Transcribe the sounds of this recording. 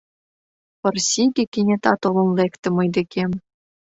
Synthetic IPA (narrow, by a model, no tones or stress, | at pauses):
pɤ̆rsʲiɡʲĕkʲinʲĕt̪ɑt̪olˠɤ̆nlekt̪ɘ̆mɤ̆jd̪ĕkʲʰemʲ